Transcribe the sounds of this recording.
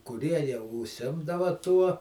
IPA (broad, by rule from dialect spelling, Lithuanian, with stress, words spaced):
kʊˈrʲiɛ jɛʊ ʊʃʲˈsʲɪmdɐʋɐ tuɔ